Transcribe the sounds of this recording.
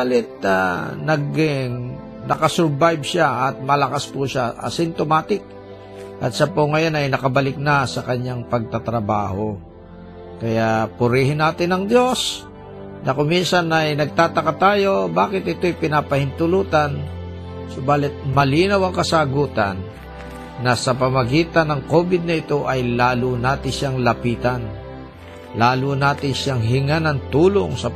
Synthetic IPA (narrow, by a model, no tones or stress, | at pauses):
baːlɪt̪̚a̰nɐɡɪŋ | nɐkɐsʊɾbajbʃaʔɐt̪̚mɐlɐkaspuʃaʔɐ̰sɪnt̪omaːt̪ɪk̚ | ʔɐt̪sɐpoŋɐjo̞nɐjnɐkɐbɐlɪk̚nɐsɐkɐɲaŋpɐɡ̚t̪at̪ɾɐba̰ːho̞ | kɐjapʊɾihɪnːaːt̪ɪnɐŋd̪jo̞s | nɐkominsɐnɐjnɐɡ̚t̪aːt̪ɐkat̪aːjo̞baːkɪt̪ɪt̪o̞jpɪnaːpɐhɪnt̪ʊluːt̪ɐn | sobaːlɪt̪̚mɐliːnɐwɐŋkɐsaɡuːt̪ɐnː | ɐsɐpɐmɐɡiːt̪ɐnɐŋko̞ːbɪd̪̚nɐɪt̪o̞ʔɐjlaːlʊnaːt̪ɪnʃaŋlɐpiːt̪ɐn | laːlunaːt̪ɪnʃaŋɦɪŋanɐŋt̪uːloŋsɐ